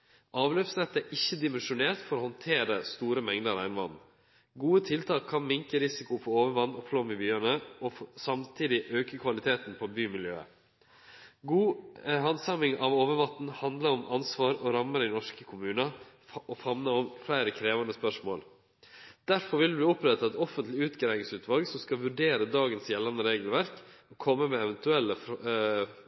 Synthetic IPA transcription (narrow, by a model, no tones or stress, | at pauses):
ʔɑːʋløːfsnɛt̪ːæʔɪçːəd̪ɪmɛnʂʊneːɾt̪fɔɾoːhɔnt̪ʰeːɾəst̪uːɾəmɛŋd̪əɾɾæɪnʋɑ̰nn | ɡuːət̪ʰɪlt̪ʰɑːkʰːɑnmɪŋkəɾɪsɪkʊfʰɔɾoːʋəʋɑnːɔflɔːmɪbyːənəʔɔsɑmt̪ʰiːd̪ɪʔøːkəkʰʋɑlɪt̪ʰeːt̪n̩pʰɔbyːmɪljø̰ːə̰ | ɡuːhɑnsɑmɪŋɑʋoːʋəʋɑt̪n̩hɑnd̪ləɾɔmʔɑnsʋɑːɾɔɾɑmːəɾɪnɔʂkəkʰʊmʉːnɑ | ʔɔfɑnnəɔmflæɪɾəkʰɾeːʋɑnəspœʂmoːl | d̪̥æɾfɔɾʋɪld̪ɛb̪iːʊpɾɛt̪ːɑɛt̪ɔfənt̪lɪʉːt̪ɡɾæɪɪŋsʉːt̪ʰʋɑlɡsɔmskɑʋʉɖeːɾəd̪ɑːɡənsjɛlːɑnd̪əɾeːɡəlʋæɾkɔkʰɔmːəmɛɛʋɛnt̪ʉɛlːəf